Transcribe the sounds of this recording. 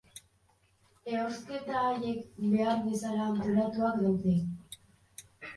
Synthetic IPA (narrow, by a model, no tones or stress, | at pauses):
e̞oske̞t̪aje̞kbe̞aɾβesalaːnt̪oɾat̪uakd̪awt̪e